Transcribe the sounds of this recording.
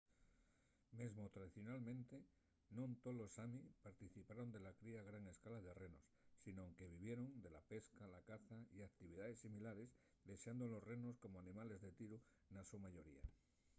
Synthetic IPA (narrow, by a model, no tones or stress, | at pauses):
me̞zmo̞t̪ɾaðiθjo̞nalmẽnt̪e | nont̪olo̞samipaɾt̪iθipaɾo̞nd̪e̞lakɾiaɣɾaŋe̞skalaðe̞re̞no̞sːinoŋke̞β̞iβ̞je̞ɾo̞nd̪e̞lape̞skalakaθaiak̚t̪iβiðaðe̞sːimilaɾe̞z | ðe̞seand̪olosreno̞sko̞moanĩmale̞zðe̞t̪iɾu | nasumaʝo̞ɾḭa̰